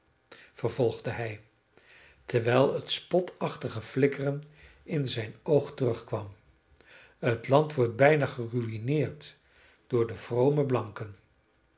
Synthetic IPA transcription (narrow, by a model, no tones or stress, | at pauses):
vəɹv̥ɔlˠχdəɦɛj | təɹʋɛjlˠətspɔtʰɑχtəχəflɪkərən | ɪnzɛjnowχtərɵχkʋɑm | ɦətlɑntʋɔɹt̚bɛjnaχəryinɪːɹt | d̥ʊːɹdəv̥rowməblɑŋkən